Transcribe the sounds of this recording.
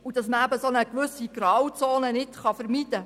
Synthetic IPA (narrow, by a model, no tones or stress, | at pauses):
ud̥ɑsməæbəsonəkʋʉsiɡ̥ɾɑwt͡soːnənɪt̪χɑfəɾmid̥̪ə